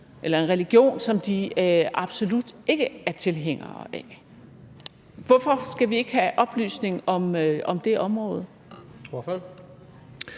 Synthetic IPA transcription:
ʔelɐe̝nʁɛliɡ̥jo̝̰ːnsɒ̽md̥iɑ̈b̥so̝lud̥e̝ɡ̥əæɐt͡sʰe̝lɦeŋ̰ɐ̰ːæ | ʋɒfɒ̽sɡ̥æʋie̝ɡ̥əhæʔɒ̽b̥ly̰ːsne̝ŋɒ̽mʔɒ̽md̥e̝ʔɒ̽mʁɔ̰̽ːð̞̩ˠ | ɒfl

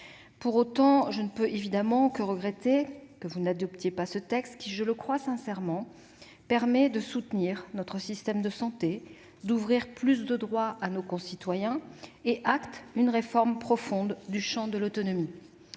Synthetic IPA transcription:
puʁot̪ɑ̃ʒənəpøʔevid̪amɑ̃kəʁəɡʁet̪ekəvunad̪ɔpt̪jepasət̪ɛkst̪kʲiʒələkχwasɛ̃sɛʁmɑ̃ | pɛʁmɛd̪əsut̪niʁnɔt̪χəsist̪ɛmd̪əsɑ̃t̪e | d̪uvʁiʁplys̬d̪əd̪ʁwaʔanokɔ̃sit̪wajɛ̃eʔakt̪ynʁefɔʁmpχɔfɔ̃d̪ːyʃɑ̃d̪əlot̪ɔnɔmi

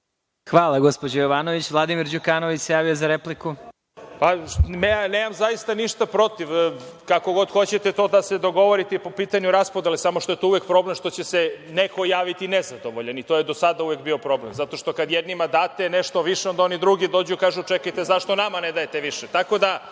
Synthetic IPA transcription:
xʋaːlˠaɡospod͡ʑojoʋaːnoʋit͡ɕʋlˠad̪imiɾd͡ʑukaːnoʋit͡ɕsejaːʋijozaɾepliku | paeaneːmamzajist̪aniʃt̪apɾo̞t̪iʋkako̞ɡo̞d̪xo̞t͡ɕet̪e̞t̪o̞d̪ased̪o̞ɡo̞ʋo̞ɾit̪epopiːt̪aɲuɾaspod̪elesamoʃt̪o̞jet̪ouʋek̚pɾo̞bleʃt̪o̞t͡ɕeseneko̞jaːʋit̪inezad̪o̞ʋoʎenit̪ojed̪o̞sad̪auʋek̚bio̞pɾo̞blemzat̪o̞ʃt̪o̞kad̪jɛd̪nimad̪aːt̪eneʃt̪o̞ʋiʃeo̞nd̪ao̞nid̪ɾuɡid̪o̞ːd͡ʑukaːʒut͡ʃekajt̪ezaʃt̪o̞namaned̪ajet̪eʋiʃet̪ako̞d̪a

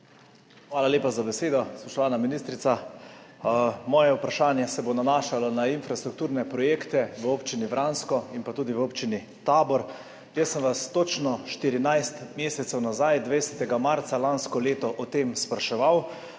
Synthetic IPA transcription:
xʋaːlaljeːpazabɛseːd̪ɔspɔʃt̪ɔʋaːnaminist̪ɾit̪sa | mɔːjɛupɾaʃaːnjɛsɛbonanaːʃalɔnainfɾast̪ɾuk̚t̪uːɾnɛpɾɔjeːkt̪ɛʋəoːpt͡ʃinivɾʔaːnskɔinpat̪uːd̪iʋəoːpt͡ʃini | t̪aːbɔɾ | jəsːənʋast̪ot͡ʃnɔʃt̪iɾinajst̪meːsɛt̪sɛwnazajd̪ʋɛsɛt̪ɛɡamaɾt̪salanskɔleːt̪ɔʔɔt̪emspɾaʃɛʋaw

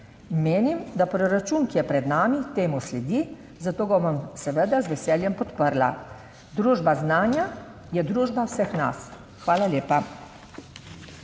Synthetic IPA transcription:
meːnimd̪apɾɔɾat͡ʃuːnkijɛpɾɛd̪naːmit̪eːmuslɛd̪i | zat̪oːɡɔʋamsɛʋəd̪azʋɛsɛːljɛmpɔt̪pəɾla̰ | d̪ɾuːʒbaznaːnja | jɛd̪ɾuːʒbawsəxna̰s | xʋaːlalʲjeːpa

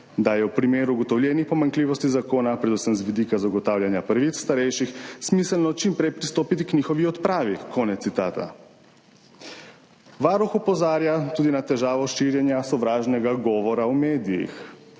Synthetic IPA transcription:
d̪ajɛwpɾimeːɾuːɡɔt̪ɔwljɛnixpɔmaŋkliːʋɔst̪izakoːnapɾɛd̪usəmzʋid̪ikazaɡɔt̪aːwlʲjanjapəɾʋit̪sst̪aɾɛjʃixsmisəlnɔt͡ʃimpɾɛjpɾist̪oːpit̪iknixɔʋiɔt̪pɾaːʋikʰɔːnɛt̪ːit̪aːt̪a̰ | ʋaːɾuxɔpɔzaːɾjat̪uːd̪inat̪ɛʒaːʋɔʃiɾjɛnjasɔʋɾaːʒnɛɡaɡɔːʋɔɾawmeːd̪ijḭx

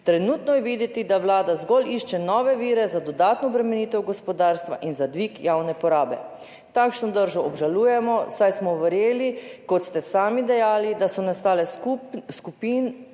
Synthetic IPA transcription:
t̪ɾɛnuːt̪nɔjɛʋiːd̪jɛt̪id̪aʋlaːd̪azɡɔliʃt͡ʃɛnɔːʋɛʋiːɾɛzad̪ɔd̪aːt̪nɔbɾɛmɛniːt̪ɛwɡɔspɔd̪aːɾst̪ʋa̰ʔinzad̪ʋikjawnɛpɔɾaːbɛ | t̪akʃnɔd̪əɾʒɔɔbʒaluːjɛmɔsajsmɔʋəɾjeːlikɔt̪st̪ɛsaːmid̪ɛjaːlid̪asɔnast̪aːlɛuskupin

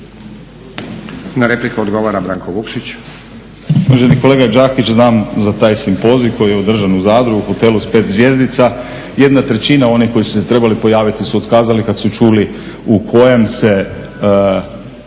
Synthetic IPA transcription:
naɾeplikuod̪ɡoʋaɾabɾaːŋkoʋukʃit͡ɕ | moʒeniko̞le̞ːɡad͡ʒaːkit͡ɕznaːmzat̪aːjsimpo̞zijuko̞jijeo̞d̪r̩ʒanuzaːd̪ɾuɡuxo̞t̪e̞luspe̞ːt̪zʋje̞zd̪it̪sa | je̞d̪nat̪ɾe̞t͡ɕinao̞niko̞jisu̥se̞t̪ɾe̞balipo̞jaːʋit̪isuot̪kaːzalikad̪sut͡ʃuːli | ukʰo̞je̞mse̞

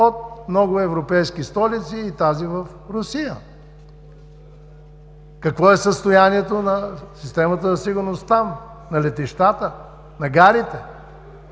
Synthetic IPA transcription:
ot̪̚mnɔɡʊɛvɾopɛjskist̪ɔlit̪siːt̪azivəf | ɾʊsijə | kɐkvɔɛsəst̪ojaniɛt̪onɐsist̪ɛmət̪əzɐsiɡʊɾnost̪am | nɐlɛt̪iʃt̪at̪ə | nɐɡaɾit̪ɛ

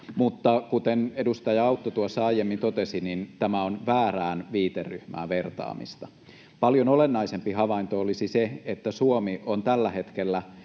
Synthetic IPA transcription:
mut̪ːɑkut̪enedust̪ɑjɑɑut̪ːot̪uɑsːɑɑjemːint̪ot̪esinint̪æmæonʋæːræːnʋiːt̪erːyhmæ̰ːʋe̞rt̪ɑ̰ːmḭst̪ɑ | pɑljonolenːɑisempiɦɑʋɑint̪oolisiseet̪ːæsuomiʔont̪ælːæhe̞t̪kelːæ

